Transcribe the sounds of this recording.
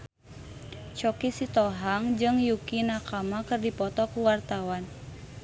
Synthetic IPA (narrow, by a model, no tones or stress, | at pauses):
t͡ʃɔkisit̪ɔɦaŋd͡ʒɨŋjukinakamakɨrdipɔt̪ɔkuwart̪awan